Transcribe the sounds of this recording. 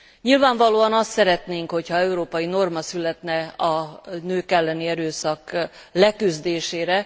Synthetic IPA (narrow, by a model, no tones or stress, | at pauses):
ɲilvaːɱvɒloːɒnɒst̪sɛɾɛt̪neːŋkho̞chɒɛuɾoːpɒjino̞rmɒsylɛt̪nɛɒnøːkɛlːɛniɛɾøːsɒklɛkyzd̪eːʃeːɾɛ